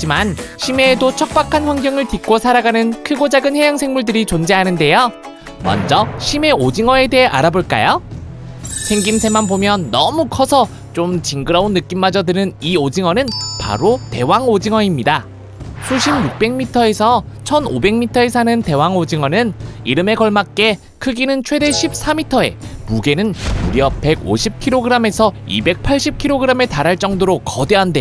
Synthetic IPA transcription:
d͡ʑimanɕʰime̞ːdot͡ɕʰʌk̚p͈akʰanɸwaŋɡjʌŋɯɭtik͈osʰaɾaɡanɯnkʰɯɡod͡ʑaɡɯnhe̞jaŋsʰe̞ŋmuɭdɯɾit͡ɕond͡ʑeɦanɯnde̞jo | mʌ̰nd͡ʑʌɕʰime̞od͡ʑiŋʌe̞de̞ɦeʔaɾaboɭk͈a̰jo | sʰe̞ŋɡimsʰemanbomjʌnːʌ̰mukʰʌsʰʌ | t͡ɕ͈omt͡ɕiŋɡɯɾʌunːɯk͈imːad͡ʑʌdɯnɯniod͡ʑiŋʌnɯnpa̰ɾote̞waŋod͡ʑiŋʌɲimɲida | sʰuɕʰimjuk̚p͈e̞ŋmitʰʌe̞sʰʌ | t͡ɕʰʌnobe̞ŋmitʰʌe̞sʰanɯnte̞waŋod͡ʑiŋʌnɯniɾɯme̞kʌɭmak̚k͈e̞ | kʰɯɡinɯnt͡ɕʰwe̞de̞ɕʰip̚s͈amitʰʌe̞̰muɡe̞nɯnuɾjʌpe̞ɡo̰ɕʰip̚kʰiɾoɡɯɾame̞sʰʌḭbe̞k̚pʰaɭɕ͈ip̚kʰiɾoɡɯɾame̞taɾɦaɭt͡ɕ͈ʌŋdoɾokʌdeɦande̞

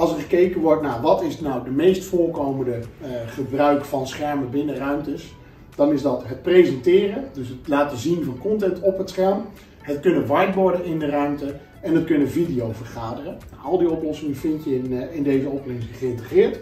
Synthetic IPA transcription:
ɑlˠsəɹχəkejkənʋɔɹtnaːɹʋɑtɪsnawdəmejstfʊːɹkowməndəχəbrœɥkfɑnsχɛɹməbɪnərœɥmtəs | d̥ɑnɪzdɑtɦət̚prejzɛntɪːrədɵsɦətlaːtəzinvɑnkɔntɛntɔpətsχɛɹm | ɦətkɵnənʋɑjtʋɔɹdənɪndərœɥmtə | ɛnətkɵnəvidijowvərχaːdərəa̰ɑlˠdiɔplɔsɪŋəfɪntjəɪndejzəɔprɪŋsəχəɪntəχɪːɹt

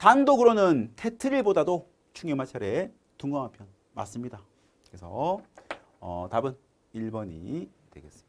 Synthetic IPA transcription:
tandoɡɯɾonɯntʰe̞tʰɯɾiɭbodado | t͡ɕʰuŋjʌmat͡ɕʰaɾe | tuŋɡʌŋɦampʰjʌn | ma̰s͈ɯmɲida | kesʰʌ | ʌ̰tabɯn | iɭbʌɲḭtwe̞ɡe̞s͈ɯ̥miḁ

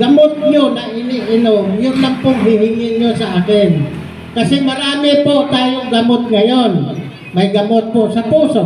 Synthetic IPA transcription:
ɡamʊt̪̚ɲonaŋɪnɪʔɪnoŋjʊnlampʊŋɦɪɦɪŋɪɲosaʔaːkɪn | kasɪmaɾaːmɪpoʔt̪aːjoŋɡamot̪̚ŋajon | majɡamot̪̚poʔsapuːso

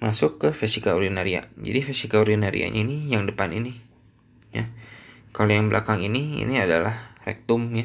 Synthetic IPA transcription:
masʊkːəfɛsikaoɾinaɾia̰d͡ʒa̰difɛsikaoɾinaɾḭa̰ɲainijaŋdəpanini | jakalojaŋbəlʔakaŋiniḭniadalahrɛ̰k̚t̪ʊmja

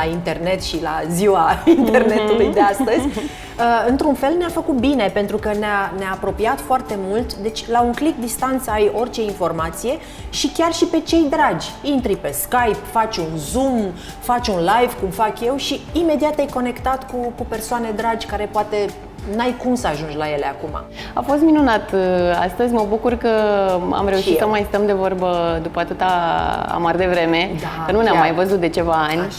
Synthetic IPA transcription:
aint̪e̞rne̞t̪ʃila̰ziwaint̪e̞rne̞t̪ulujd̪east̪əzʲ | əɨnt̪ɾunfe̞lneafəkut̪̚bine̞pent̪ɾukəneaneaːpɾo̞piat̪foart̪e̞mult̪d̪e̞t͡ʃʲlauŋklik̚d̪ist̪ant̪saajo̞rt͡ʃe̞info̞rmat̪sije̞ | ʃikʲarʃipe̞t͡ʃe̞jd̪ɾad͡ʒʲint̪ɾipe̞skajpfat͡ʃʲunzum | fat͡ʃʲunlajvkumfakje̞wʃiːme̞d̪iat̪ajko̞ne̞kt̪at̪kukupe̞rsoane̞d̪ɾad͡ʒʲkaɾe̞poat̪e̞ | najkumsəaʒund͡ʒlaje̞leakuma̰ | afo̞st̪̚minunat̪a̰st̪əzʲməbukurkəa̰mre̞uʃitsəmajst̪əmd̪e̞vo̞rbəd̪upəat̪ɨt̪aa̰mard̪e̞vɾe̞me̞ənuneamːajvəzut̪̚d̪e̞t͡ʃe̞vaanʲ

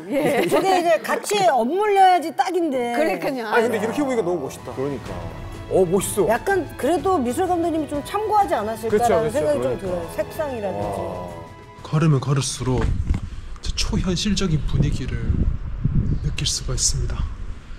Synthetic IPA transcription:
jekɯɡeid͡ʑekat͡ɕʰiʌmːuʎːʌjad͡ʑit͈aɡinde̞ɯik͈ɯɲakɯnd̪eiɾʌkʰeboɲiɡanʌmuboɕʰi̥t͈akɯɾʌɲik͈a̰ | ʌboɕi̥s͈ojak̚k͈ankɯɾe̞domisʰɯɭɡamdɯɲimit͡ɕomt͡ɕʰamɡoɦad͡ʑianas͈iɭkkaans̬ʰeŋɡaɡit͡ɕomtɯʌosʰep̚s͈aŋiɾadd͡ʑi | kʰʌɾɯmjʌnkʌɾɯɭs͈uɾo | t͡ɕe̥t͡ɕʰoçjʌnɕʰiɭd͡ʑʌɡinpuɲiɡiɾɯɭ | nɯk͈iɭs͈uɡais͈ɯmɲida

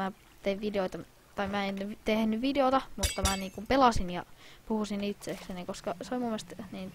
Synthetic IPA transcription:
æ | t̪eiʋʋideoit̪ɑ | t̪ɑimæent̪ehnyʋʋideot̪ɑmut̪ːɑmæniːŋkumpelɑsinjɑ̰puhusinit̪seːksenikoskɑseolʲimumːest̪niːn

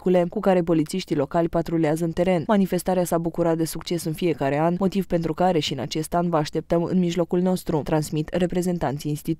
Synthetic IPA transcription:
ule̞kukaɾe̞p̬o̞lit̪siʃt̪ilo̞kalʲpat̪ɾoleazəɨnt̪e̞ɾe̞nmanife̞st̪aɾeasabukuɾat̪̚d̪e̞sukt͡ʃe̞sɨnfie̞kaɾe̞anmo̞t̪ivpe̞nt̪ɾukaɾe̞ʃiɨna̰t͡ʃe̞st̪anvəaʃt̪e̞p̚t̪əmɨ̰nmiʒlo̞kulno̞st̪ɾut̪ɾansmit̪re̞pɾe̞ze̞nt̪ant̪siinst̪it̪

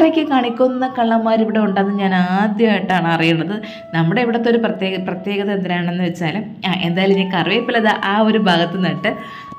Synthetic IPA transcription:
rekʲːɨkaːɳikʲːunːɐkɐɭːɐmːaːɾiʋiɽeuɳɖanːɨɲaːnaːd̪jɐaːjiʈːaːɳɨɐrijuɳɖɐðɨ | nɐmːuɽe̞ʋiɽet̪ːo̞ɾuprɐt̪jeːɣɐprɐt̪je̞ːɣɐðɐend̪iɾaːɳenːɨʋet͡ɕːaːlm | aʔe̞nd̪aːjilumɲaːnkɐrʋepːolɐðɨʔaːo̞ɾubʱaːɡɐt̪ːɨnɐʈːɨ

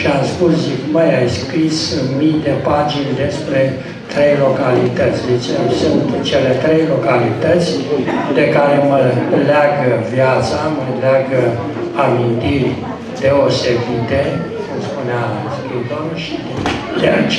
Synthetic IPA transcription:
t͡ʃeamspuszikməjajskɾisɨnmit̪epad͡ʒind̪e̞spɾe̞ | t̪ɾejlo̞kalit̪ət̪sʲd̪et͡ʃḛsunt̪t͡ʃele̞t̪ɾejlo̞kalit̪ət̪sʲd̪e̞kaɾe̞məlaɡəvjat̪saməleaɡə | amint̪irʲ | d̪eosed̪it̪ekumspunea | skɾisd̪omnəʃid̪ | d̪ea̰t͡ʃ

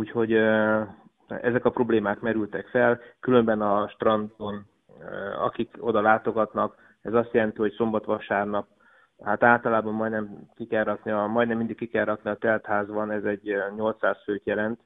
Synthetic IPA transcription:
uːcho̞ɟ | ɛ̰zɛkɒpro̞bleːmaːkmɛɾylt̪ɛkfɛlkylø̞mbɛnɒʃt̪rɒnt̪o̞n | ɒ̰kiko̞d̪ɒlaːt̪o̞ɡɒt̪nɒk | ɛzɒst̪jɛlɛnt̪iɦo̞cso̞mbɒt̪ʋɒʃaːrnɒp̚ | hat̪aːlt̪ɒlaːbɒmːɒjd̪nɛmkikɛrːɒkniɒmɒjd̪nɛmːind̪ikːikɛrːɒkniɒt̪ɛlt̪haːzbɒnɛzɛɟɲo̞lt̪saːsføːt̪jɛlɛnt̪

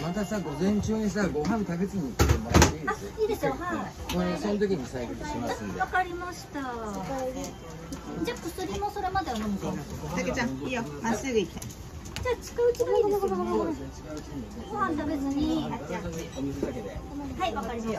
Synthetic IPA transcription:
mat̪asaɡo̞zẽ̞ɲt͡ɕɨːɲ̟is̬aɡo̞ɦãnt̪aɡet͡sɨɲit̪etemasiaiːd̪esohaoɾesõnt̪̬o̞kʲiɲisaiɡeimaakaɾʲimaɕi̥t̪a | d͡ʑaːkosɨɾʲimo̞so̞ɾe̞mad̪e̞amamit̪eat̪aket͡ɕãijomasɨɡɯ̟ikʲi̥t̪a | d͡ʑaːt͡ɕi̥kaɯ̟t͡ɕid̪o | i̥kaɯt͡ɕ̪ | ɡohãnt̪aɡet͡sɨɲiaaakeehaiβakkaɾʲim

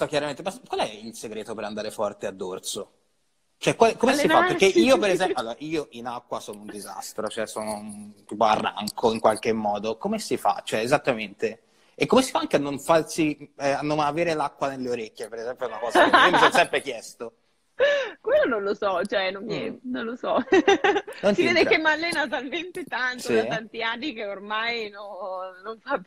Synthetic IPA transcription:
ɔk̟jaɾament̪̬emaskwalɛilseɡɾeːt̪opeɾand̪aːɾefɔrt̪ead̪ːort̪so | t͡ʃoɛkːwalɛkomesiapeɾkːeiːopeɾezɛmpjoaloːɾaʔiːoʔinakːwasɔːnound̪iza̰st̪ɾot͡ʃoɛsoːnot̪iːpoa̰rːa̰ŋkʰoiŋkwalk̟emːɔːd̪okomesifa̰t͡ʃoɛezat̪ːament̪e | ekːomesi̥faaŋkeanːoɱfarsiɛanːonaveːɾelakːwanelːeoɾekʲːjepeɾezɛmpjoɛunakɔːzaemsssɛmpɾek̟jɛst̪o | kwelːonõnlosɔt͡ʃoɛnoninõnlosɔ | nonsivveːd̪ekemːalːenat̪alment̪et̪ant̪sod̪at̪ant̪iaɖikeormajnonnoɱfapː

